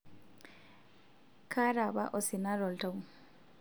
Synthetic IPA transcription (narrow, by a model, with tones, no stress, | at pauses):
kʰa˦ɾa˨ba̰˦ʔɔ˨si˨na˦ɾɔ˨ltɔ˨ŋ